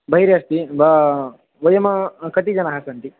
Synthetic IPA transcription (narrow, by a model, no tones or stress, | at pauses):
bʱɐɦiɾjast̪ib | ʋɐjɐmɐkɐt̪id͡ʒɐnɐɦasɐnt̪i